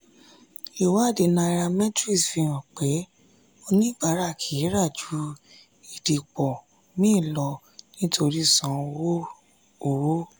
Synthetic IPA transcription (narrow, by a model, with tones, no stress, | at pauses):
i˨wa˨˦˨de˨nã˧ɾa˧mɛ̃˦tɾi˦˨sfĩ˧ɾ̃ã˨k͡pe˨˦ | o˧nĩ˦˨ɡ͡ba˨˦ɾa˦˨kʰi˨˦ɾa˦˨d͡ʒu˨˦ | i˨di˨k͡pɔ˨ | mĩ˦˨lɔ˧ | nĩ˦tʰo˧ɾi˦˨sã˨˦˧wo˦ | o˨wo˦